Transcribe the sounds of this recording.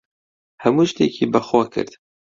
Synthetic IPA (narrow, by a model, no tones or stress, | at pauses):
hɛmuːʃt̪ḛːkʰiːbɐxwɑːkʰɨ̰ɾt̪